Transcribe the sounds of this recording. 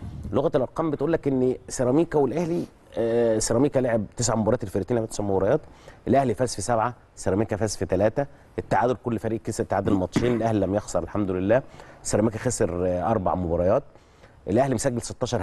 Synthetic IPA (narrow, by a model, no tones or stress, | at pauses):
loɣæt̪elʔɑɾˤqɑːmbet̪ʔuːlːækʔenːseɾˤɑmiːkæwelʔæhli | seɾɑmiːkæleʕeb̚t̪esʕamobɑɾˤɑːt̪elfeɾit̪iːnʔæwt̪esʕmobɑɾˤɑjɑːt̪ʔelʔæhlifæːsfisæbʕa | sːeɾˤɑmiːkæfæːsfit̪ælæːt̪æ | ʔet̪ːaʕaːd̪oɾkolːfæɾiːʔkːest̪ːaʕaːd̪elmɑt̪ˤʃiːnelʔæhlilæmjɑxsˤɑɾelħamd̪olelːæːsːeɾˤɑmiːkæxæseɾʔɑɾˤba̰ʕmobɑɾˤɑjɑːt̪̚ | ʔelʔæhlimosæɡːelse̥t̪ːɑːʃɑɾˤ